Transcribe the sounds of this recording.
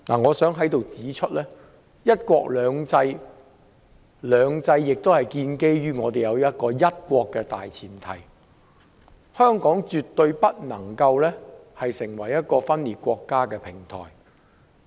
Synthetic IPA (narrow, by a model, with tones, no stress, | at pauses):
na̰ː˨˩ŋɔː˨˧sœː˨˥ŋɦɐ˨˥jt̪o˨wt͡siː˨˥t͡ʃʰɵ˥t̚lɛː˥ | jɐ˥t̚kʷɔː˧k̚lœː˨˧ŋt͡sɐ˧j | lœː˨˧ŋt͡sɐ˧jːɪ˨k̚t̪o˥whɐ˨jkiː˧nke˥jɥyː˥ŋɔː˨˧t̪e˨˩jɐ˨˧wjɐ˥t̚kɔː˧jɐ˥t̚kʷɔː˧kːɛː˧t̪a̰ː˨jt͡sʰiː˨˩nt̪ʰɐ˨˩j | hœː˥ŋkɔː˨˥ŋt͡ʃyː˨t̪ːɵ˧ɥpɐ˥t̚nɐ˨˩ŋkɐ˧wlɛː˥hɐ˨jsɪ˨˩ŋwɐ˨˩jɐ˥t̚kɔː˧fɐ˥nliː˨t̚kʷɔː˧kːaː˥kɛː˧pʰɪ˨˩ŋt̪ʰɔ̰ː˨˩j